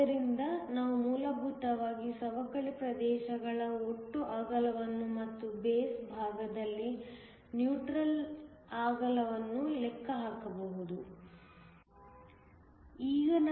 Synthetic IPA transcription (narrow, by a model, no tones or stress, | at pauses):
ɐɾind̪ɐnaːʋumuːlɐbʱuːt̪ɐʋaːɡisɐʋɐkɐɭipɾɐd̪ɛːʃɐɡɐɭɐoʈːuʔaːɡɐlɐʋɐnːumɐt̪ːubeːsbʱaːɡɐd̪ɐlːi | njuːʈɾɐlaːɡɐlɐʋɐnːulɛkʰːɐɦaːkɐbɐʋud̪u | iːɡɐn